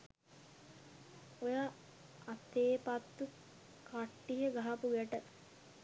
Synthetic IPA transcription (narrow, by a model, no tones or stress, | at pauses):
ojaː | t̪ːeːpat̪ːu | kaʈːiɦəɡaɦapuɡæʈə